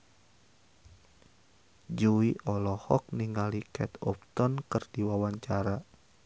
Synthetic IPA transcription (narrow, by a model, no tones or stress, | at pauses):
d͡ʒuiʔɔlɔhɔk̚niŋalikɛt̪ɔp̚t̪ɔnkɨrdiwawaɲt͡ʃaɾa